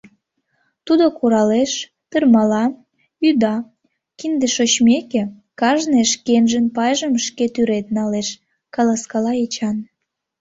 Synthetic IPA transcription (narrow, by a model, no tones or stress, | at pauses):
t̪ud̪okuɾɑleʃ | t̪ərmɑlɑ | yd̪ɑ | kind̪eʃot͡ɕmeke | kɑʒneʃkenʒənpɑjʒəmʃket̪yɾet̪̚nɑleʃ | kɑlɑskɑlɑet͡ɕɑn